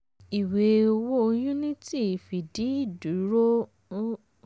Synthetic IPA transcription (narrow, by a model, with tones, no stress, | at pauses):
i˨we˨˧o˧wo˦o˧jũ˦nĩ˦ti˦˨fi˨di˨˦i˦˨du˨˦ɾo˦